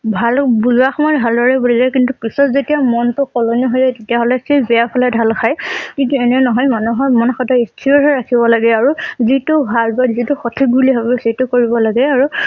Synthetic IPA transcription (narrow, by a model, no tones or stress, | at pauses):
bʱalbuzuaxɔmɔjbʱaldɔɹɛbulizajkintukɹisɔtzetijamɔntʊkɔlonijɔɦɔjzajtetijaɦɔlɛsejbɛjapʰalɛdʱalxʰajkintuɛnɛnɔɦɔjmanuɦɔjmɔnxɔtɔistʰiɔɹɔɹakʰibɔlaɡɛaɹuzitʊbʱalbazituxɔtʰik̚ɡulibabɛsetukoɹibɔlaɡɛaɹu